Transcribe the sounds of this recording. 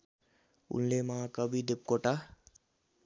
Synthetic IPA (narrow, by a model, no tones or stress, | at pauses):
ṵnlemakʌbʱid̪ep̚koʈa